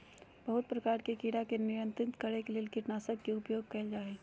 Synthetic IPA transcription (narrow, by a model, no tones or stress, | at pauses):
bəɦʊt̪̚pɾɐkaːɾkekiɽakenɪɾə̃nt̪ɾɪnt̪kɐɾekeleːlkɪʈnaːsəkːeʊpjoːɡ̚kɐld͡ʒaːe